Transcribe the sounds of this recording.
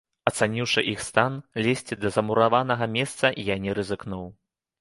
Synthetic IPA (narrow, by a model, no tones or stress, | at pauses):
ɐt̪sanʲiwʂɨʔixst̪anlʲɛsʲt͡sʲid̪ɐzɐmuɾavanɐɣɐmʲɛst̪sɐʔijanʲɛɾɨzɨknuw